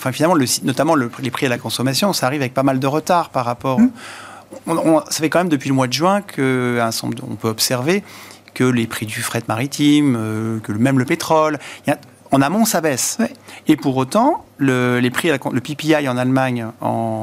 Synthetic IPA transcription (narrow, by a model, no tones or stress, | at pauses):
ɑ̃fɛ̃finalmɑ̃ləsinɔt̪amɑ̃ləplepχialakɔ̃sɔmasjɔ̃saːʁivavɛk̚pamald̪əʁət̪aʁpaʁapɔ | ɔ̃ɔ̃ɔ̃safɛkɑ̃mɛmd̪əpɥiləmwad̪əʒɥɛ̃kʰəɛ̃sɑ̰̃d̪ɔ̰̃pøɔpsɛʁvekəlepχid̪yfχɛt̪maʁit̪ʰimøkəmɛmləpet̪χɔljɛ̃ | ɑ̃namɔ̃sabɛsepuʁot̪ɑ̃ləlepχialakɔ̃ləpipiajɑ̃nalmaɲɑ̰̃